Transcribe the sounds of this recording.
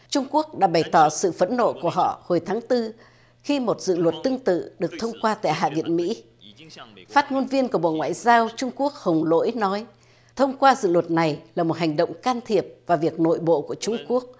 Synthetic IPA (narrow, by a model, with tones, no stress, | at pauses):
t͡ɕʊ˧ŋ͡mku˦˥ək̚ɗa̰ː˧˥ɓa˧˩jt̪ɔ˧˩sɨ̰˧˨fə˨˦nːo̰˧˨ku˧˩əɦɔ̰˧˨ho˨˩jt̪ʰaː˨˦ŋt̪ɨ˧ | xi˧mo˨˩t̚zɨ̰˧˨lwə˨˩t̚t̪ɨ˧əŋt̪ɨ̰˧˨ɗɨ˨˩ək̚t̪ʰə˧wŋ͡mkwaː˧t̪a̰ː˧˨jɦa̰ː˧˨vḭ˧˨ənmḭ˧˥ | faː˦˥t̚ŋo˧nvi˧ənkəɓo̰˧˨ŋwa̰ː˧˨jzaː˧wt͡ɕʊ˧ŋ͡mku˦˥ək̚hə˨˩wŋ͡mlo̰˧˥jnɔ˨˦j | t̪ʰə˧wŋ͡mkwaː˧zɨ̰˧˨lwə˨˩t̚na˨˩jlaː˨˩mo˨˩t̚ha˨˩jŋ̟ɗo̰˧˨wŋ͡mkaː˧nt̪ʰi˨˩əp̚vaː˨˩vi˨˩ək̚no̰˧˨jɓo̰˧˨ku˧˩ət͡ɕʊ˧ŋ͡mku˦˥ək̚